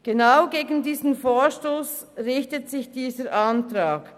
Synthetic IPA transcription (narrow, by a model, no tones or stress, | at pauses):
ɡ̥enaʊɡeːɡn̩diːzn̩foːʃtoːs | rɪçtətsɪçd̥iːzəʔantʁaːk